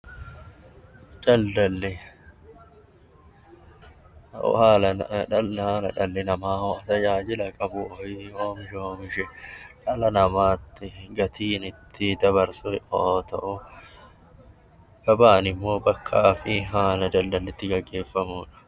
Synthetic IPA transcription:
d̪̥ɐld̪ɐlːɛ | haːlɐɐlhaːlɐᶑɐlːɛnɐmaːɐjaːd͡ʒɪlɐkʼɐbʊɔɪoːmɪʃɛoːmɪʃɛᶑɐlɐnɐmaːt̪ːɪɡɐt̪ʰiːnɪt̪ʰːɪd̪ɐbɐɾsʊɪʔot̪ɐʔʊ | ɡ̥ɐbaːnɪmːo̞ːbɐkʰːaːfɪɦaːnɐd͡ʒ̪ɐld̪ɐlːɛt̪ːɪɡɐɡːe̞ːfːɐmuːᶑɐ̥

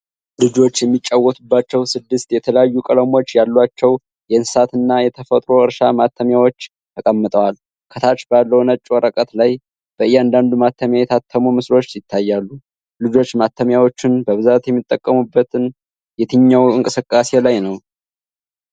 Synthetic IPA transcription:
lɨd͡ʒo̞t͡ʃːjɛmːit͡ʃʼːawːət̪ʰubːat͡ʃːɛwsɨd̪ːɨst̪jɛt̪ʰələjajːukʼələmo̞t͡ʃːjalːwat͡ʃːɛw | jɛɨnsɨ̥sat̪ɨnːajɛt̪ʰəfət̪ʼɾo̞ɨɾʃamat̪ʰːəmjawo̞t͡ʃː | t̪ʰəkʼəmːɨt̪ʼəwal | kʰət̪ʰat͡ʃbalːəwnət͡ʃʼːwɔɾəkʼət̪laj | b̥əɨjːɛand̪and̪umat̪ʰːəmjajɛt̪ʰat̪ʰːəmumɨslo̞t͡ʃːsɪt̪ʰːajːalːu | lɨd͡ʒo̞t͡ʃːmat̪ʰːəmjawo̞t͡ʃːɪnbəβɨzat̪jɛmːit̪ʼːəkʼːəmubːət̪ʰɨn | jɛt̪ʰɨɲːawɨŋkʼɨsɨkʼːase̞lajnəw

